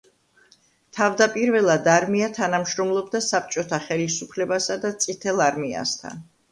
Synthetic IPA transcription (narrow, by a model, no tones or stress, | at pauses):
t̪ʰavd̪apʼiɾvɛlˠad̪aɾmiat̪ʰanamʃɾɔmlˠɔb̚d̪asap̚t͡ʃʼɔt̪ʰaχɛlisupʰlɛbasad̪at̪sʼit̪ʰɛlˠaɾmia̰st̪ʰa̰n